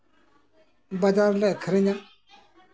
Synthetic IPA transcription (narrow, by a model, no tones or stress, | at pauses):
bad̪aɾlɛkʰəɾiɲa